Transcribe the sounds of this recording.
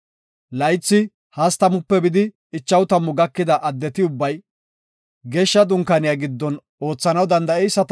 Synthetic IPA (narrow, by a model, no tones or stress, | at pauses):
lɐjt͡sːɪ | hɐst̪ɐmʊpːɛbɪd̪ɪ | ɪt͡ʃːɐwt̪ɐmːʊɡɐkːɪd̪ɐʔɐd̪ːɛt̪ɪʊbːɐj | ɡeːʃːɐd̪ʊŋkɐnɪjaɡɪd̪ːɔn | o̞ːt͡sːɐnɐwd̪ɐnd̪ɐɛjsːɐt̪